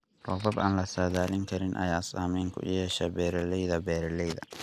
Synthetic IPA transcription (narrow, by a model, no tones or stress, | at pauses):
rɔːbɐba̰ːnlɐsaːðaːlɪŋkʰɐɾɪnʔɐ̰jaːsaːmɛːŋkʰʊ̰jɛːʃɛbɛːɾɐlɛjðɐbɛːɾɐlɛjðɐ̰